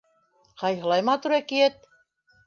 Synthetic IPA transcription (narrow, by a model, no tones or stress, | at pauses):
qɑjɦɤ̆lˠɑjmɑt̪uɾækiet̪̚